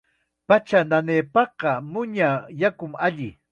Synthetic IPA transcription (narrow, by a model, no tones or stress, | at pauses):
pat͡ʃananeːpɑqɑmʊɲajakʊmaʎɪ